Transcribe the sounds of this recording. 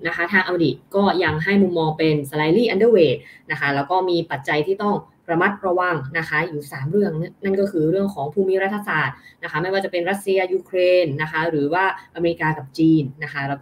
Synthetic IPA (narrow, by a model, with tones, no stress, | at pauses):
na˦˥kʰa˦˥t̪ʰaː˧ŋʔa˧wdiː˨˩t̪̚kɔː˥˩ja˧ŋɦa˥˩jmu˧mːɔː˧ŋpe˧nsa˧la˧jliː˥˩ʔa˧ndɤəː˧˥˩weː˨˩t̪̚na˦˥kʰa˦˥lɛː˦˥wkɔː˥˩miː˧pa˨˩t̪̚t͡ɕa˧jt̪ʰiː˥˩t̪ɔ˥˩ŋ | ɾa˧ma˦˥t̪̚ɾa˧wa˧ŋna˦˥kʰa˦˥juː˨˩saː˩˦mɾɯ˥˩əŋ˥na˥˩nkɔː˥˩kʰɯː˧ɾɯ˥˩əŋkʰɔː˩˦ŋpʰuː˧mi˦˥ɾa˦˥t̪ʰːa˧saː˨˩t̪̚na˦˥kʰa˦˥ma˥˩jwaː˥˩t͡ɕa˨˩pe˧nɾa˦˥t̪̚si˧ɐjuː˧kʰɾeː˧nːa˦˥kʰa˦˥ɾɯː˩˦waː˥˩ʔa˧me˧i˦˥kaː˧ka˨˩p̚t͡ɕiː˧nːa˦˥kʰa˦˥lɛː˦˥w